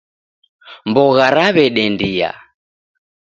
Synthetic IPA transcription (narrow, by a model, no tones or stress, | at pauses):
mbɔɣaɾaβɛɗɛndia̰